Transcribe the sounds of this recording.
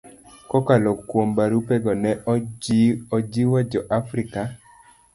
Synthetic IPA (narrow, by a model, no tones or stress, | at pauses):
kɔkalɔkwombaɾupɛɡɔnɛ | ɔd͡ʒiwad͡ʒɔʔafɾika